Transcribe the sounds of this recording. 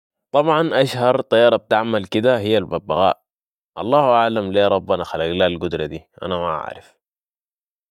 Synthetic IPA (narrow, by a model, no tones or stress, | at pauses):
t̪ˤɑbʕɑnʔaʃhɑɾˤt̪ˤɑjːɑːɾˤɑb̚t̪aʕmalkid̪ahijːalbabːa̰ɣa̰ːʔ | ʔɑlˤːɑːhʔaʕlamleːɾˤɑbːanaxalaɡlaːlɡud̪ɾˤɑd̪iʔa̰namaʔa̰ʕɾɪ̰f